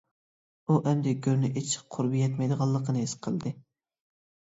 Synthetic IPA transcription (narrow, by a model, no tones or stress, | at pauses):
uʔɛmd̪ɛɡʲøɾnɪʔet͡ʃʰɪ̥qʰʊɾbijɛt̪mɛjd̪əʁɑlˠːəqənɨesqʰəlˠd̪ɨ